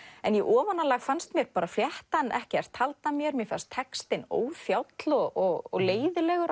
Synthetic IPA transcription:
ɛnjɛʔɔːvanalaɣfanst̪mjɛɾpaːɾafljɛht̪anʔɛhcɪɛɾ̥t̪ʰalt̪amjɛɾmjɛfast̪ʰːɛkst̪ɪno̰ːwfjawt̪lɔɣɔɣɔ̰ɣleːjðɪlɛɣʏɾ

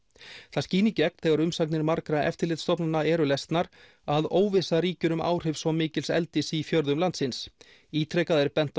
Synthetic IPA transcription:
θasciːnɪcɛk̚nθɛɣaɾʏmsaknɪɾmaɾkɾaʔɛ̰ft̪ɪɾlɪːt̪st̪ɔpnanaɛːɾʏlɛst̪naɾ | aðoːwvɪsaɾiːcʏɾʏma̰ːwr̥ɪvsvɔmɪːcɪlsɛ̰lt̪ɪsifjœɾðʏmlant̪sɪns | iːt̪ʰɾɛkaðɛɾpɛn̥t̪

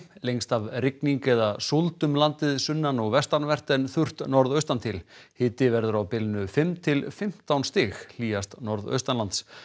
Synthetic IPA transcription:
lejŋst̪avrɪkniŋkɛðasolt̪ʏmlant̪ɪðsʏnːanɔɣvɛst̪aɾnvɛr̥t̪ɛnθʏr̥t̪nɔɾðœɥst̪ant̪ʰɪlhɪːt̪ɪvɛɾðʏɾawpɪlnʏfɪmt̪ʰɪlfɪm̥t̪awnst̪ɪxl̥iːast̪nɔɾðœ̰ɥst̪anlant̪s

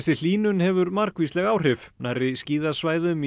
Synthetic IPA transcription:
sɪl̥iːnʏnhɛvʏɾmaɾkvislɛɣaːwr̥ɪfnarɪsciːðasvaːjðʏm

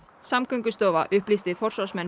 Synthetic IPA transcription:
samkʏŋkʏst̪ɔːva̰ʔʏhplist̪ɪfɔr̥sɔsmɛn

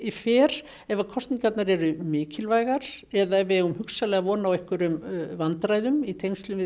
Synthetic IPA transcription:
ifɪːɾ | ɛvakʰɔst̪niŋkat̪naɾɛɾʏmɪːcɪlvaːjɣaɾ̥ɛðaɛvɣʏmhʏksalɛɣavɔːnawehkʏɾʏmvant̪ɾaːjðʏmit̪ʰejmst̪lʏmvɪ

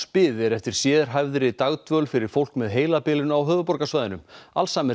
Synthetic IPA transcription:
spɪːðɛɾɛft̪ɪɾ̥sjɛːðɾ̥ɦajvðɾɪt̪aɣt̪vœlfɪɾɪɾ̥fowl̥kmɛðɦeːjlapɪːlɪnaawɦœːvʏpɔɾkasvajðɪnʏma̰lsaːmɛ

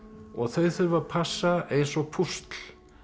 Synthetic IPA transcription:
ɔɣθœɥðθʏɾvapʰasːaɛjsɔpʰust̪l̥

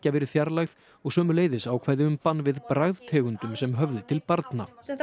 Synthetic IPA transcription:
cavɛːɾɪ̥θjaɾlaɣð̥ | ɔɣsœːmʏleːjðɪsawkʰvɛɾðɪʏmpanːvɪðpɾaɣðt̪ʰɛːɣʏnt̪ʏmsɛmɦœvðʏt̪ʰɪlpaɾt̪na

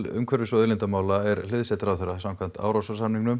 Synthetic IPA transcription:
ʏ̰mkʰœɾvɪsɔðɪlɪnt̪amaːwlaɛɾl̥ɪðsɛt̪ɾawθɛɾːasamkʰvan̥t̪a̰ːwɾawsasamniŋnʏm

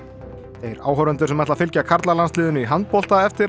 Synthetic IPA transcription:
θejɾaːwɦœɾʏnt̪ʏɾ̥sɛmaht̪lafɪlcakʰaɾt̪lalanslɪːðʏnʏiɦant̪̚pɔl̥t̪aɛft̪ɪ

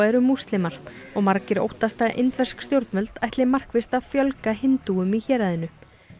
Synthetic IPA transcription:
ɛɾʏmːust̪lɪmaɾ̥ɔɣmaɾcɪɾo̰wht̪ast̪aʔɪ̰nt̪vɛ̥skst̪jowɾt̪mœlt̪ajht̪lɪmar̥kvɪst̪afjœlkaɦɪnt̪uʏmiçɛːɾaðɪnʏ

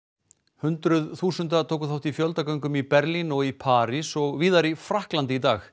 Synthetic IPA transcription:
hʏnt̪ɾʏðθuːsʏnt̪at̪ʰoːwkʏθawht̪ifjœlt̪akœɥŋkʏmipɛɾlinɔɣipʰaːɾisɔɣviːðaɾifɾahklant̪ɪit̪aːx

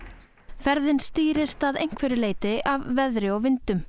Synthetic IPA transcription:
fɛɾðɪnst̪iːɾɪst̪aðejŋ̥kʰvɛɾɪleːjt̪ɪʔavːɛðɾɪɔɣvɪnt̪ʏm

